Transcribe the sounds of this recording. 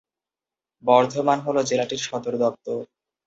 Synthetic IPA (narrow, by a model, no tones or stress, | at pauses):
bɔɾd̪ʱomanɦolod͡ʑelaʈiɾʃɔd̪oɾd̪ɔp̚t̪o